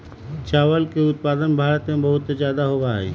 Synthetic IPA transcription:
t͡ʃaːʋəlkeʊt̪̚paːd̪ənbʱaːɾət̪mẽbɐɦʊt̪zjaːd̪aɦoːbaːḛː

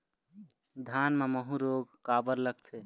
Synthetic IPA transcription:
d̪ʱanmeməɦũɾoɡkabəɾləkt̪ʰe

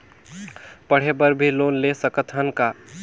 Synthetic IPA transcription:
pəɽ̤ebəɾbʱilonlesəkət̪ʰɦənka

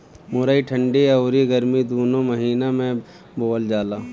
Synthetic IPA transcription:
mʊɾaiʈʰə̃ɳɖiɐʊɾiɡɐɾmid̪oːnõmɐɦiːnamẽ | boːəld͡ʒaːlaː

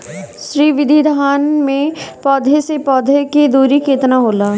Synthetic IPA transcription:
ʃɾiːʋɪd̪ʱid̪ʱaːnmẽpɔːd̪ʱesepɔːd̪ʱeked̪uːɾikeːt̪naɦoːlaː

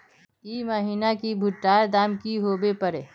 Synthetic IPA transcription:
iːməɦiːnakibʱʊʈːaːɾd̪aːmkiɦoːbepəɾeː

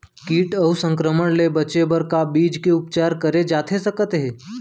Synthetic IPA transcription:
kiːʈəusə̃ŋkɾəməɳlebət͡ʃebəɾkabiːd͡ʒkeupt͡ʃaɾkəɾed͡ʒat̪ʰesəkət̪ɦe

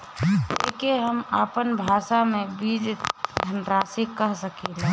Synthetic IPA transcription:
ḛːkeɦəmaːpənbʱaːʃamẽbiːd͡ʒd̪ʱənɾaːsɪkːəɦsəkeːla

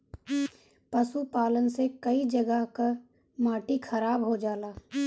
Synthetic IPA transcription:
pəsupaːlənsekəid͡ʒəɡəɦka | maːʈikʰɐɾaːbɦod͡ʒaːlaː

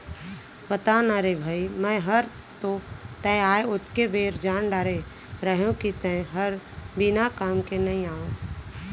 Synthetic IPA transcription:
bət̪aːnaɾebʱaːimɛ̃ɦəɾ | t̪ot̪ɛ̃aːeʊt̪kebeːɾd͡ʒaːnɖaːɾe | ɾəɦũkit̪ɛ̃ɦəɾbinakaːmkenɐĩaːʋə̃s

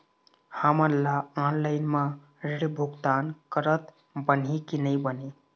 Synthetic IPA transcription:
həməɾlaɔnlaɪnmã | ɾeɽbʱuɡt̪ankəɾət̪ | bənikinəjbəne

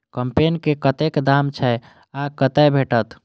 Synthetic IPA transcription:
kəmpenkekət̪ekd̪amt͡ʃʰɛ | akət̪ɛjbʱeʈət̪

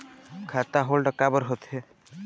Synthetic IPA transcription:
kʰaːt̪aɦoːlɖəkːabəɾɦot̪ɦe

